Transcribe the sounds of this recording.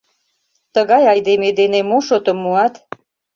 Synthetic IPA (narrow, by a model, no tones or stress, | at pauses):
t̪əɣɑjɑjd̪emed̪enemoʃot̪əmːuɑt̪